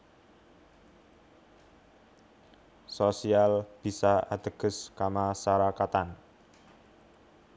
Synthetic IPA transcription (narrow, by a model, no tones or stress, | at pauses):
sosialb̥i̤saa̰d̪̥əɡ̥ə̤skamasaɾakat̪an